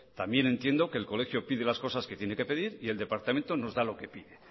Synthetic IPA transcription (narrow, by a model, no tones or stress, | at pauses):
t̪ambje̞ne̞nt̪je̞nd̪o̞ke̞ːlko̞le̞xjo̞piðelasko̞saske̞t̪je̞ne̞ke̞peðiɾie̞ld̪e̞paɾt̪ament̪o̞no̞zðalo̞ke̞piðe̞